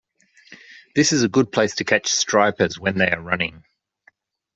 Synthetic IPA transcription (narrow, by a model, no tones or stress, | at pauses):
ðɪsɨzəɡʊd̚pʰl̥eɪstʰɨkʰæt͡ʃstɹ̥aɪpəzwə̃nðeɪəɹʌnɪ̰̃ŋ